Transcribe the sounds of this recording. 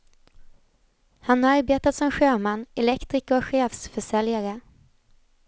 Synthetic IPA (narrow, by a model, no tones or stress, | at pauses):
hanhaɾaɾbeːt̪at̪sɔmɧøːmanːɛlɛkt̪ɾɪːkɔkɧeːfsfœʂɛljaɾə